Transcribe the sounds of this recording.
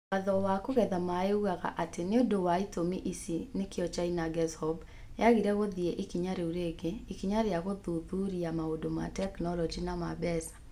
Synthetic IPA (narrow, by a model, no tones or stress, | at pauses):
waðɔwakoɣɛðamaeuɣaɣa̰ʔateneodowaitomiʔisinekeɔt͡ʃainaɡɛshɔb | jaɣiɾɛɣoðieʔikiɲaɾeuɾeɡeikiɲaɾjaɣoðuðuɾiamaodoma̰tɛknɔlɔd͡ʒinamabɛsḁ